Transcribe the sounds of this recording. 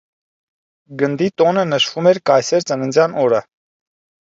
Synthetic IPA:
ɡənd̪it̪ɔnənəʃvumɛɾkɑjsɛɾt͡sənənd͡zjɑnɔɾə

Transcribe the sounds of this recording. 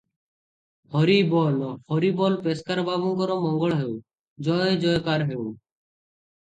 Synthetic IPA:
hɔɾibɔlhɔɾibɔlpeskaɾbʱabɔŋkɔɾɔmɔŋɡɔɭɦeu | d͡ʒɔjd͡ʒɔjkaɾɦeu

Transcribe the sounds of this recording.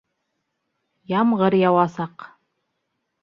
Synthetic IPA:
jɑmʁɤɾjɑwɑsɑq

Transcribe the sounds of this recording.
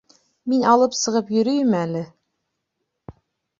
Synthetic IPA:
minɑlˠɤpsɤ̆ʁɤpjɵ̆ɾɵjmælɘ

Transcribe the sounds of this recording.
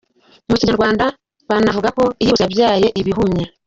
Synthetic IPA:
muciɲaɾɡwaːnda | βanavuɡako̞ijiβuzabjaːjo̞ʔiβiɦumɲa

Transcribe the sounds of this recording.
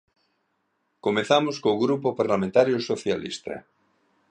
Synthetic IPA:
komeθamoskõːɣɾupopaɾlamẽnt̪aɾjosoθjalḭst̪a̰

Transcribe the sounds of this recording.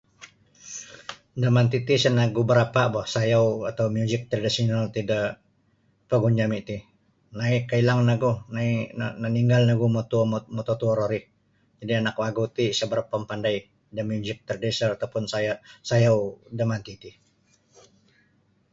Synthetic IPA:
dəmant̪it̪isənaɡubəɾapaʔbɔhsajawat̪awmjuzɪk̚t̪ɾadisɔnalt̪ida | pəɡuɲd͡ʒamit̪i | naɪkailaŋnaɡunaina̰naniŋɡalnaɡumot̪ummot̪ot̪uɔɾoɾɪh | d͡ʒadianak̚waɡut̪isəbəɾapːəmpandaj | dəmjuzɪk̚t̪radisəɾat̪awpʊnsajasajawdəmant̪it̪i

